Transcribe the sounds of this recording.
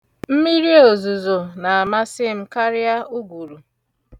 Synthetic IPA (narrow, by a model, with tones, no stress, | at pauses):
m̩˦mi˦ɾi˦o˨zu˨zo˨na˨a˨ma˦sɪ˦m̩˦ka˦ɾɪ˦a˦u˦ɡʷu˨ɾu˨